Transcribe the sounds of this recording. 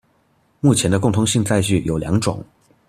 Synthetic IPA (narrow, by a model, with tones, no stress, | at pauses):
mu˥˩t͡ɕʰjɛ˧˥nd̪ə˧kʊ˥˩ŋt̪ʰʊ˧˥ŋɕi˥˧ŋt͡sa˥˧ɪɕy˥˩jo˨˩ʊljɑ̰˧˥ŋʈ͡ʂʊ̰˨˩˦ŋ